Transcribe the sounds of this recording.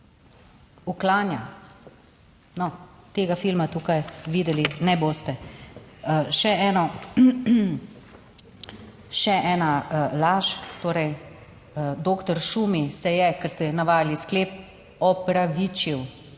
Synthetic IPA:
uklaːnja | nɔt̪eːɡafilmat̪uːkajʋiːd̪ɛlinɛboːst̪ɛ | ʃɛɛːnɔ | ʃɛʔɛːnalaːʃt̪oːɾɛj | d̪oːkt̪ɔɾʃuːmisɛjɛkɛɾst̪ɛnaʋaːjliskleːp̚ | ɔpɾaʋiːt͡ʃiw

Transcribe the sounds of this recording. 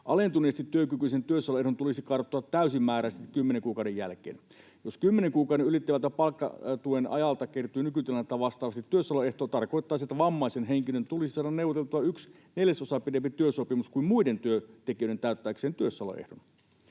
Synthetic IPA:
ʔɑlent̪uneːsest̪it̪tːyøkykyisent̪yøsːɑloeɦdont̪ulisikɑrot̪ːˑoɑt̪tæysimmːæːɾæst̪ikymːeneŋkuːkɑˑwdejæ̰lkḛːn | joskymːeneŋkuːkɑˑwɾeylit̪ːiʋælt̪ːæpɑlkːɑ̰t̪uenɑ̰jɑlt̪ɑkert̪ˑuiːnykyt̪ilɑnɑt̪ːæʋɑst̪ɑːʋɑst̪it̪ːyøsːɑloeht̪oːt̪ɑrko̞it̪ːɑisiet̪ːæʋɑmːɑisenɦeŋkilønt̪ulisisɑːɾɑnneuʋot̪elt̪uɑyks | neljæsosɑpidempit̪yøsopimuskuimmuident̪yøt̪ekiøjet̪æˑyt̪ːæːkseːnt̪yøsːɑlo̰ʔḛhdon

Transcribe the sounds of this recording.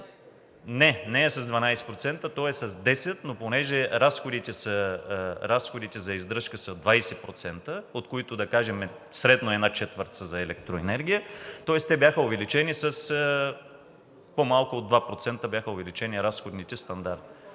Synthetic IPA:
nɛnɛːsɐzd̪vɐnajsɛ̥pɾot̪sɛnt̪ət̪ɔɛsɐzd̪ɛsɛt̪noponɛʒɛɾasxod̪it̪ɛsɐə | ɾasxod̪it̪ɛzɐizd̪ɾɤʃkəsɐd̪vajsɛpɾot̪sɛnt̪əot̪koit̪ʊd̪ɐkaʒɛmɛ | sɾɛd̪noɛdnat͡ʃɛt̪vəɾt̪səzɐɛlɛk̚t̪ɾoɛnɛɾɡʲijət̪ɔɛst̪ɛbʲjaxəovɛlit͡ʃɛnisəsə | pomalˠkʊod̪vapɾot̪sɛnt̪əbjaxəovɛlit͡ʃɛniɾasxod̪nit̪ɛst̪ɐnd̪aɾt̪

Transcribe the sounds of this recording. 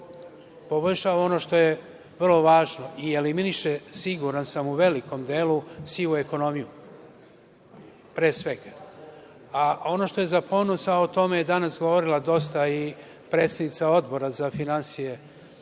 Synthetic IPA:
po̞ʋr̩ʃaʋao̞no̞ʃt̪o̞je | ʋr̩lˠo̞ʋaːʒno̞ʔieliminiʃesiɡuɾansamuʋe̞liko̞md̪eːlusiʋueko̞no̞miju | pɾeːsʋe̞ɡa | ao̞no̞ʃt̪oje̞zapʰo̞ːno̞saot̪o̞mejed̪anasɡoʋoɾilˠad̪o̞st̪ai | pɾet̪st̪ad̪nit̪sao̞d̪bo̞ɾazafinansije

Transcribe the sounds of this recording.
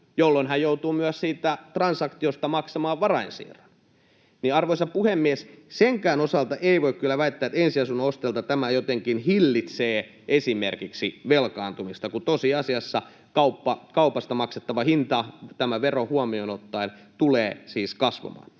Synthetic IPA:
jolːoinɦæjjout̪uːmyæssiːt̪æt̪rɑnsɑkt̪iost̪ɑmɑksɑmɑːʋʋɑrɑinsḭːrɑn | niɑrʋoisɑppuhemːiɛsseŋkæːnosɑlt̪ɑʔeiʋoikkylːæʋæit̪ːæːet̪ensiɑsunːɑost̪elt̪ɑt̪æmæjot̪eŋkinhilːit̪seː | ʔesimerkiksiʋelkɑːnt̪umist̪ɑkut̪osiɑsiɑsːɑ | kɑupːɑkɑupɑst̪ɑmɑkset̪ːɑʋɑhint̪ɑt̪æmæʋerohuɑmionot̪ːɑint̪uleːsiːskɑsʋɑ̰mɑ̰ːn

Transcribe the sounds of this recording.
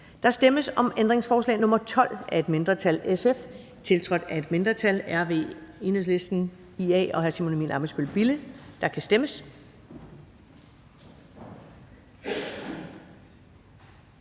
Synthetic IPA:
d̥ɑ̈sd̥eməsɒ̽mend̥ʁeŋsfɒːslɛ̰ːnɔ̽mɐt͡sʰɒ̽l̰ʔæe̝d̥me̝nd̥ʁɐt͡sʰælesef | t͡sʰe̝lt͡sʰʁɒ̽d̥æe̝d̥me̝nd̥ʁɐt͡sʰælæɐʋe̝̰e̝nəs̬le̝sd̥n̩ | iɛ̰ːɒ̽ɦæɐsimo̝nomḭːnɑ̈ːbæsb̥ølb̥ilid̥ɑ̈kʰæsd̥eməs

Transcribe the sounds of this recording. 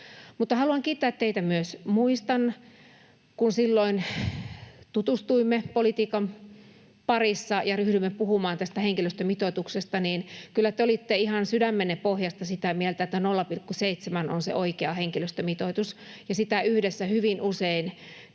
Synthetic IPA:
mut̪ːɑhɑluɑŋkiːt̪ːæːt̪teit̪æmyøsmuist̪ɑn | kunsilːoin | t̪ut̪ust̪uimːepolit̪iːkɑm | pɑrisːɑjɑryhɾymːepuhumɑːnt̪æst̪æheŋkiløst̪ømit̪ot̪uksest̪ɑniːnkylːæt̪eolit̪ːeihɑnsydæmːenepohjɑst̪ɑsit̪æmielt̪æet̪ːænolːɑpilkːuseit̪semæno̰nsḛʔoikeɑheŋkiløst̪ømit̪ot̪usjɑsit̪æyhdesːæhyʋinʔusein

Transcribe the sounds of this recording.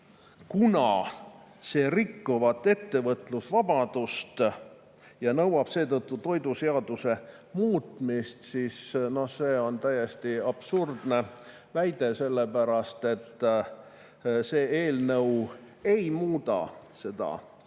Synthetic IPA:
kunɑ̰ | se̞ːrikːuvɑt̪ˑːe̞t̪ːe̞vɤt̪ˑlusvɑb̥ɑd̪̥ust̪ | jɑnɤwɑb̥se̞ːt̪ɤt̪ˑːut̪o̞jd̪use̞ɑd̪̥use̞ | muːt̪mist̪siːsno̞hse̞ːo̞nt̪æjːest̪iɑb̥surd̪̥ne̞ | væjd̪̥e̞se̞lːe̞pæɾɑst̪e̞t̪ː | se̞ːe̞ːlnɤw | e̞jmuːd̪ɑ̰se̞d̪̥ɑ̰

